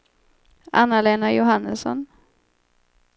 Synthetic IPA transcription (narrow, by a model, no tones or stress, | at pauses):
a̰nːaleːnajʊɦanːəsɔ̰n